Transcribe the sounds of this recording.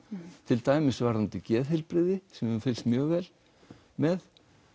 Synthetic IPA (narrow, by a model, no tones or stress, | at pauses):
t̪ʰɪlt̪aːjmɪsvaɾðant̪ɪcɛːðɦɪlpɾɪðɪsɛmfɪlst̪mjœːɣvɛːl | mɛð